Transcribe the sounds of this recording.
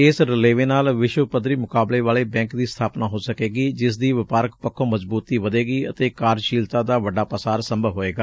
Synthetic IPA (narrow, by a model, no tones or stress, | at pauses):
ɪsɾɪleːʋeːnaːlʋɪʃwəpəd̪ɾiːmʊkaːbleːʋaːleːbɛ̃ːŋkd̪iːst̪ʰaːpnaːɦoːsəkeːɡiːd͡ʒɪsd̪iːʋɪpaːɾəkpəkʰːõːməzbuːt̪iːʋəd̪eːɡiːət̪eːkaːɾʃiːlt̪ãːd̪aːʋəɖːaːpəsaːɾsə̃mbʱəʋɦoːeːɡaː